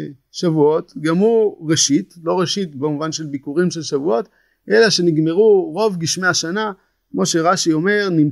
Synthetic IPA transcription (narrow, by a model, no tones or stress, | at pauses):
ʃavuo̞t̪ɡamuʁeʃit̪lo̞ʁeʃit̪bomuvanʃe̞lbikuʁimʃelʃavuo̞t̪ | ʔe̞laʃe̞niɡme̞ʁuʁo̞vɡiʃmeaʃana | kmo̞ʃe̞ʁaʃio̞me̞ʁnim